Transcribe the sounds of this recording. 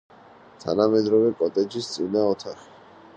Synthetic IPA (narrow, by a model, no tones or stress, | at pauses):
t̪ʰa̰namɛd̪ɾɔvɛkʼɔt̪ʼɛd͡ʒist̪sʼinaɔt̪ʰaχi̥